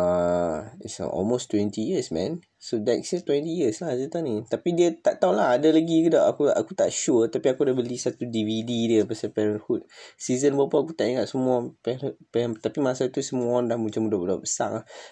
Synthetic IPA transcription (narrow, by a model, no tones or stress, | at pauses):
a | ḭtsɔ̰lmost̪wɛ̃nt̪ijəsmɛ̃n | sodɛtsət̪wɛ̃nt̪ijəslahsət̪anit̪apidiət̪aʔt̪aulaɦadalaɡikədaʔakua̰kut̪aʔʃut̪apiakudahbəlisat̪udivididiəpasapɛɾənhut̪̚sizənbaapəaakut̪aʔiŋaʔ̪̚səmuapɛpɛnt̪apimasat̪usəmuandahmə̃t͡ʃamudauda̰pəsa̰ʔlah